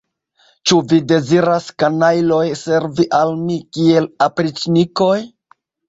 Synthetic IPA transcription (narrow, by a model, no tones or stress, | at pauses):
t͡ʃuvide̞ziɾaskanajlojse̞ɾviʔalmikie̞lapɾit͡ʃniko̞j